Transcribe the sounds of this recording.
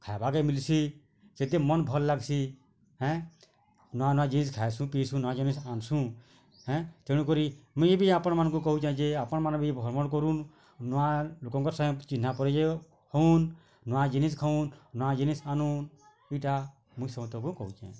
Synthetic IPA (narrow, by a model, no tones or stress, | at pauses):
kʰajbaɡɛmilsi | sɛt̪ɛmɔnbʱɔlːaɡsi | ɦɛ̃ | nɔwanɔwad͡ʒiniskʰajsũpisũnɔwad͡ʒinisansũ | ɦɛ̃t̪ɛɽ̃ũkɔɾimũjebiapɔnmanɔkɔk̬ɔɦut͡ʃãd͡ʒeapɔnmanbibʱɔɾmɔnkɔɾun | nɔwalukɔ̃ŋkɔɾsãt͡ʃinːapɔɾɛd͡ʒɛ | hɔunː | ɔwad͡ʒiniskʰaũnːɔwad͡ʒinisanun | ɛjʈa | mũjsɔbt̪ɔkɔkɔɦut͡ʃɛ̰̃